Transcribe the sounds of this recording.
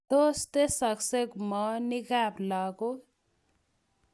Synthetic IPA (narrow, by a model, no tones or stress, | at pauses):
d̪ost̪esʌksekmʌniɡablʌɡo